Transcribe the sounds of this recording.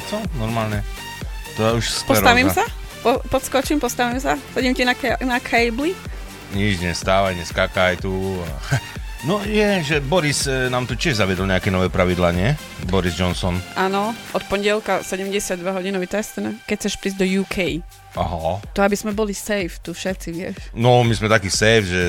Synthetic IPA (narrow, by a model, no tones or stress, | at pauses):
t͡sɔnɔɾmaːlɲɛ | t̪ɔɛuʃsppɔsɾɔaʋimsa | pɔpɔt̪skɔt͡ʃimpɔst̪aʋimsasɛɟimcinanakʰɛjbli | ɲid͡ʒɲɛst̪aːʋajɲɛskaːkajt̪ua̰nɔjɛʒɛbɔɾisnaːmt̪ucɪɛʒzaʋɪɛd̪ɔl̩ɲɛakɛnɔʋɛːpɾaʋid̪laɲɪɛ | bɔɾizd͡ʒɔnsɔnʔanɔʔɔt̪̚pɔɲɟɪɛlkasɛɟɛmɟɛsɪad̪ʋaɦɔɟinɔʋit̪ɛst̪ɛnkɛcʰt͡sɛʃpɾiːzɟd̪ɔjuːkʰɛj | ʔaɦɔt̪ɔabiz̥mɛbɔlisɛjft̪ufʃɛt̪siʋɪɛ̰ʃnɔmizmɛt̪akiːsɛjfʒɛ